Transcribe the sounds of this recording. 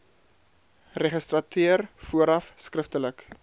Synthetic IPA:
reχəstrɐtʰyərfuəɾɐfskrəftələk

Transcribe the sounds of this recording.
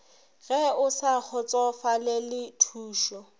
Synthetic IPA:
ɣɛʊsak͡xʰɔt͡sʼɔfalɛlɪtʰuːʃɔ

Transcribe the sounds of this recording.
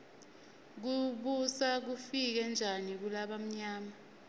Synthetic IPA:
k̬uɓusak̬ufik̬ɛnd͡ʒʱanik̬ulaɓam̩ɲaːma

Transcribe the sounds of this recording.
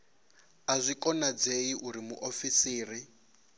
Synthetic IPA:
azʷikʼɔnad͡zeiʔuɾimuʔofisiːri

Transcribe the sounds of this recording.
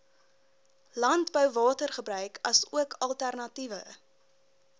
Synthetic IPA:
lɐntbœwvɑːtərχəbɾœɥkʰɐsuəkʰɐlˠtærnɐtivə̰

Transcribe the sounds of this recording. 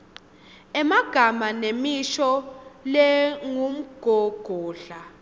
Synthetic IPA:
ɛmaɡ̥ʱamanemiʃɔlɛŋum̩ɡ̥ʱɔɡ̥ʱɔːɬa

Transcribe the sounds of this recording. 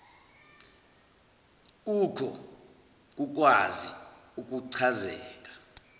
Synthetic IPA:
k̬ukʰɔ | k̬uk̬waziuk̬ʼuǀʰazɛːk̬ʼḁ

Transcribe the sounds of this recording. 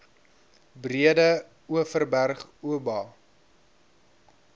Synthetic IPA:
briədə | uəfərbærχuəbɑː

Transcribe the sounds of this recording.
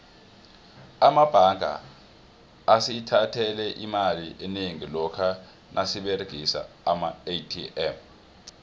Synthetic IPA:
amab̥ʱaŋa̰ | asitʰatʰɛlɛʔimaliʔeneŋilɔkʰa | nʔasiɓeriɡ̥ʱisa̰ːmaetʰiʔɛf

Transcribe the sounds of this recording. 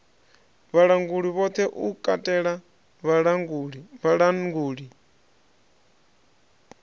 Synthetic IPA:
βaɺaŋɡuɺiβɔt̪ʰɛʔukʼatʼɛɺa | βaɺaŋɡuɺiβaɺaŋɡuːɺi

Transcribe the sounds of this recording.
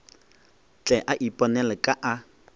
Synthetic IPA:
t͡ɬʼɛʔaʔipʼɔnɛlɛkʼaʔa

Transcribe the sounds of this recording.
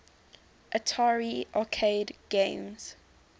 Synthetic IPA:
ʔətʰaːɹiʔakʰeɪdɡ̥ẽɪmz̥

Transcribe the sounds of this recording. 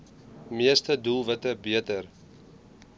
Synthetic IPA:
miəstədulˠvətəbiətər

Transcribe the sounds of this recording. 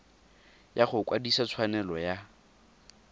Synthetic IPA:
jaχʊkwadisat͡sʰwanɛlɔja

